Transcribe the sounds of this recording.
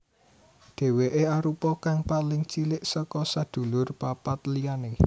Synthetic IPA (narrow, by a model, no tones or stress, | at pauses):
d̪̥e̤weʔeaɾupɔkaŋpalɪŋt͡ʃilɪʔsɔkɔsad̪̥o̤lʊrpapat̪liane